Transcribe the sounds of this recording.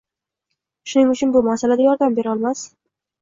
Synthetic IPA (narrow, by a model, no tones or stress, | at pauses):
ʃʊnɪŋʊt͡ʃʰʊnbʊmasalad̪ajɒɾd̪ambe̞ɾɒlˠmas